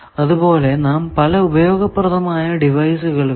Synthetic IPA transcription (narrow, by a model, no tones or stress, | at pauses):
ɐðubo̞ːle̞naːmpɐlɐubɐjo̞ːɡɐpːrɐt̪ɐmaːjɐɖiʋɐjsuɣɐɭ